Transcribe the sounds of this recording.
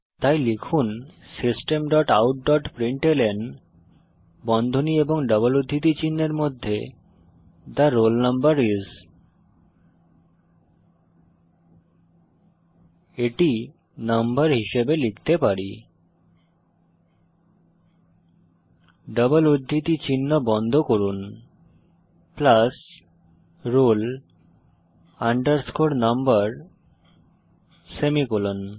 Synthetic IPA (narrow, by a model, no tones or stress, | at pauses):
t̪ajlikʰun | sisʈemɖɔʈawʈ̚ɖɔʈpɾiɳʈelen | bɔnd̪ʱonieboŋɖəbəlod̪ʱːit̪̬it͡ɕinːeɾmod̪ʱːḛ | t̪aɾːolnəmbəɾiz | eʈi | nəmbəɾɦiʃebelikt̪epaɽi | ɖəbəlod̪ʱːit̪it͡ɕinːɔbɔnd̪ʱokoɾun | plas | ɾol | aɳɖəɾskoɽnəmbəɾ | semikulon